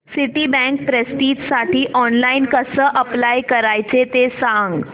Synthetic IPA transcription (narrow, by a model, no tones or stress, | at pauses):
siʈibɛ̃ŋk̚pɾesʈiːt̪saʈiːʔɔnlainkəsəːʔəplajkəɾajt͡set̪esãŋɡ